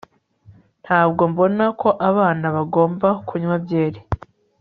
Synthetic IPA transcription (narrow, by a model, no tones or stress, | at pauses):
n̥haːbɡo̞mbo̞nakʰo̞ʔaβaːnaβaɡo̞ːmbakuɲwabɟeːɾe